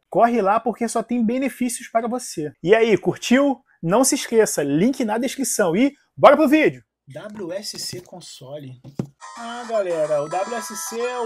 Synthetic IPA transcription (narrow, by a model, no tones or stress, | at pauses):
kɔɦɪlapoɾkesɔt̪ẽj̃bẽnefisiʊspaɾɐvoseiaikuɾt͡ʃiw | nɐ̃w̃sɪʃkesɐlĩkɪnad̪ɐiʃkɾisɐ̃w̃ɪ | bɔɾɐpɾʊvid͡ʒʊ | d̪abluɛsɪsekõsɔlɪ | aɡalɛɾɐʊd̪ablʲuɛsɪseɛ